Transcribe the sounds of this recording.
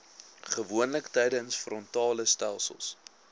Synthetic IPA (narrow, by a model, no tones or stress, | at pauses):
χəvuənləktɛjdənsfrɔntɑːləstælˠsə̰lˠs